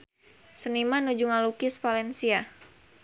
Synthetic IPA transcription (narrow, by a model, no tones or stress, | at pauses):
sənimanud͡ʒuŋalukisfalɛnsia